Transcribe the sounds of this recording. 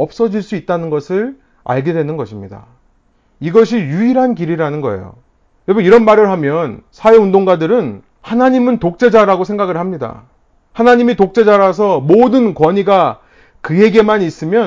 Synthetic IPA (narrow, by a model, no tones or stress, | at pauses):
ʌp̚s͈ʌd͡ʑiɭs͈uit̚t͈anɯnɡʌsʰɯɭ | a̰ɭɡe̞dwe̞nɯnɡʌɕʰimɲida̰ | iɡʌɕ̬ʰijuiɾɦankiɾiɾanɯnɡʌ̰ḛjo̰ | jʌbuiɾʌnmaɾɯɭɦamjʌnsʰawe̞undoŋɡadɯɾɯn | hanaɲimɯntok̚t͡ɕ͈e̞d͡ʑaɾaɡosʰe̞ŋɡaɡɯɭhamɲida̰ | hanaɲimitok̚t͡ɕ͈e̞d͡ʑaɾas̬ʰʌmodɯnkwʌɲiɡa | kɯje̞ɡe̞maɲis͈ɯmjʌ